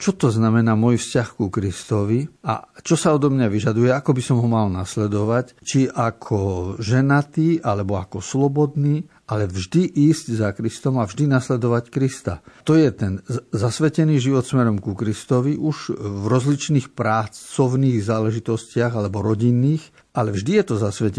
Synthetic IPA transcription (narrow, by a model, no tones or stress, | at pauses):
t͡ʃɔt̪ɔznamɛnaːmɔjfscaxkukɾist̪ɔʋia̰t͡ʃɔsaɔd̪ɔmɲaʋiʒad̪ujɛakɔbisɔmɦɔmalnaslɛd̪ɔʋac | t͡ʃiʔakʰɔʒɛnat̪iːʔalɛbɔakɔslɔbɔd̪niː | ʔalɛvʒd̪iʔiːzɟzakɾist̪ɔmavʒd̪inaslɛd̪ɔʋackɾist̪a̰t̪ɔjɛt̪ɛnzasʋɛcɛniːʒiʋɔt̪smɛɾɔmkukɾist̪ɔʋiʔuʒvɾɔzlit͡ʃniːxpɾat͡st͡sɔʊniːɣzaːlɛʒit̪ɔscɪaɣalɛbɔɾɔɟinːiːx | ʔalɛvʒd̪ijɛt̪ɔzasʋɛc